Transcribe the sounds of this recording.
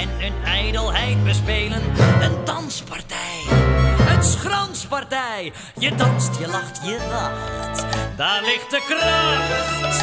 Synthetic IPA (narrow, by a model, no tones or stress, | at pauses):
ɛnənɛjdəlˠɦɛjt̚bəs̬peːlənəntɑnspɑrtɛj | ənsχrɑnspɑrtɛj | jədɑnstjəlɑχtjəlɑχtdaːɹlɪχt̚dəkrɑχt